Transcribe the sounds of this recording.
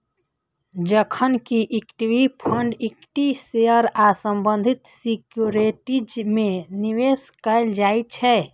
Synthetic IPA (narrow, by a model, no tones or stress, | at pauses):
d͡ʒəkʰənkiʔikʈiʋipʰəɳɖikʈiseəɾasəmbə̃nd̪ʱit̪sikjuɾeʈid͡ʒmeniʋeskəld͡ʒajt͡ʃʰɛ